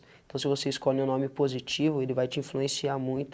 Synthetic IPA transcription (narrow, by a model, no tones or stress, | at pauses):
ẽt̪ɐ̃w̃sɪvoseiskɔlɪũnõmɪpozit͡ʃivʊelɪvajt͡ʃɪĩfluẽsiaɾmũj̃t̪ʊ